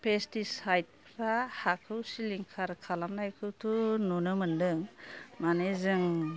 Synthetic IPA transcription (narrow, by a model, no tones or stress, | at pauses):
pʰestisajt̚pʰɾahakʰɯwsiliŋkʰaɾkʰalamnajkʰɯwtʰunonɯmɯndɯŋmanezɯŋ